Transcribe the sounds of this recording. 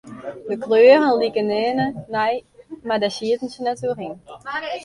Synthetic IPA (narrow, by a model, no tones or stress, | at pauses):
dəkløːrənlikənɛːnənɛjmadasiətən̩sənɛturiŋ